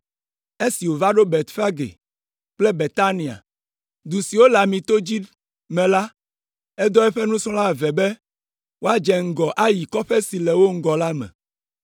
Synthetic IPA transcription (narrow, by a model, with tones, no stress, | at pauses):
e˦si˨wo˨va˦ɖo˦be˨t̪fa˦ɡḛ˨ | k͡plɛ˦be˨t̪a˦nĩ˨a̰˨ | d̪u˨si˨wo˦la˨mĩ˨t̪o˦d͡ʑi˦ | mɛ̃˨la˦ | ɛ˦d̪ɔ˦ɛ˦ɸɛ˦nũ˦sɔ̃˦la˦vɛ˨bɛ˦ | wo˦a˦d͡ʒɛ˨ŋ̩˨ɡɔ˨ʔa˦ji˨kɔ˦ɸɛ˦si˨lɛ˨wo˦ŋ̩˦ɡɔ˨la˦mɛ̰̃˨